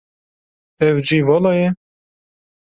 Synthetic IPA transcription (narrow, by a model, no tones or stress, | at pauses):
ɛwd͡ʒiːvɑlɑjɛ